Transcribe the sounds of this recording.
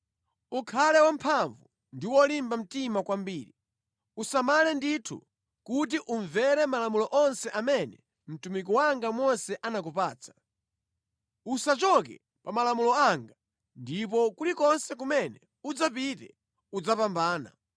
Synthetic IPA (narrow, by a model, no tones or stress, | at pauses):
ukʰalɛwampʰaɱvu | ndiwɔlimbam̩timakwambiːɾi | usamalɛnditʰṵ | kut̬iʔuɱvɛɾɛmalamulɔʔɔnsɛʔamɛnɛ | m̩tumik̬ɔwaŋɡamɔsɛʔanak̬upaːt͡sʰḁ | usat͡ʃɔkɛ̰ | pamalamulɔaŋɡa | ndip̬ɔkulikɔnsɛk̬umɛnɛ | ud͡zap̬itɛ̰ | ud͡zapambaːna̰